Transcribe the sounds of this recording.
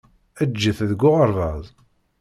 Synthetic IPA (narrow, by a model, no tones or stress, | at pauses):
æd͡ʒːəθðəɡʷːʊʁəɾˤvɑðˤ